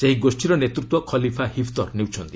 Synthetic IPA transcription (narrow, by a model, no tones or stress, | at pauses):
seɦiɡosʈʰiɾɔnet̪ɾut̪wɔkʰɔlipʰahipʰt̪ɔɾnewt͡ʃʰɔnt̪i̥